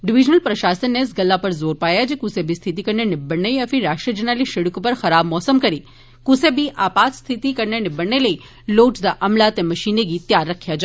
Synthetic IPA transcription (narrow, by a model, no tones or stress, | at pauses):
ɖɪʋid͡ʒnəlpɾəʃasənːesɡəlːapəɾzoɾpajad͡ʒekusebʱist̪ʰit̪ikəɾnenɪbəɳːəjəfʰiɾaʃʈɾəd͡ʒənaliʃɪɽukpəɾxəɾabmɔsəmkəɾi | kusebiʔapat̪st̪ʰit̪ikəɾnenibəɳːeləi | loʈd̪aʔəmlat̪eməʃineɡit̪jaɾːəkʰjad͡ʒa